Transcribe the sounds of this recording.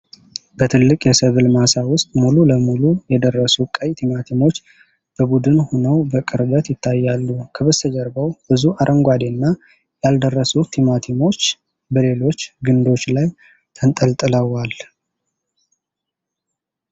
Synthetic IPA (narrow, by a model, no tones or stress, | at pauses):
b̥ət̪ʰɨlːɨkʼjɛsəβɨlmasawʊst̪ʼmululəmulujɛd̪ərːəsukʼəjt̪ʰimat̪ʰimo̞t͡ʃː | b̥əbud̪ɨnhonəwbəkʼɨɾbət̪jɪt̪ʰːajːalːukʰəβəsəd͡ʒəɾbəwb̥ɨzuʔaɾʔəŋɡʷad̪enːa | jald̪ərːəsut̪ʰimat̪ʰimo̞t͡ʃː | bəle̞lo̞t͡ʃːɡɨnd̪o̞t͡ʃːlaj | t̪ʰənt̪ʼəlt̪ʼɨləwal